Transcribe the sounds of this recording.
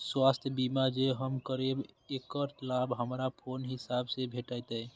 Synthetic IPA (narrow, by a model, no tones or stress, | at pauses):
swaːst̪ʰjbimad͡ʒeɦəmkəɾibekəɾlaːbɦəmɾapʰoːnɦɪsaːbsebʱeʈəjt̪ɛ